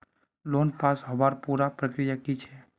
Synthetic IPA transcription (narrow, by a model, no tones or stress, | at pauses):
loːnpaːsɦɐbaːɾpuːɾapɾəkɾijakit͡ʃʰɛ